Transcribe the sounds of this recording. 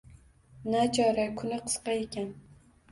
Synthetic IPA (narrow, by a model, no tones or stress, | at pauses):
nat͡ʃʰɑɾakʲʰʊnɪqʰə̥sqɑekʲan